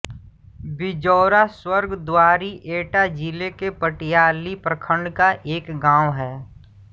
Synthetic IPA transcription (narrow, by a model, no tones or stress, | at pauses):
bɪd͡ʒɔːɾaswəɾɡd̪waːɾiʔeːʈad͡ʒilekepəʈɪjaːlipɾəkʰə̃ɳɖkaʔeːkɡãːwɦɛː